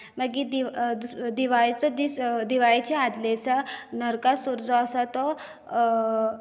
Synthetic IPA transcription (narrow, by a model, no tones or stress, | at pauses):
maɡid̪iʋd̪ud̪iʋaɭt͡sɔd̪id̪iʋaɭit͡ɕaad̪lesanəɾkasuɾd͡zɔːsat̪ɔ